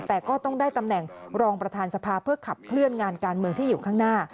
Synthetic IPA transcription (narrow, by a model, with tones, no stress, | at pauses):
t̪ɛː˨˩kɔː˥˩t̪ɔ˥˩ŋdaː˥˩jt̪a˧mnɛ˨˩ŋɾɔː˧ŋpɾa˧t̪ʰaː˧nsa˧pʰaː˧pʰɯ˥˩əkʰa˨˩p̚kʰlɯ˥˩ənŋaː˧nkaː˧nmɯ˧əŋt̪ʰiː˥˩juː˨˩kʰaː˥˩ŋnaː˥˩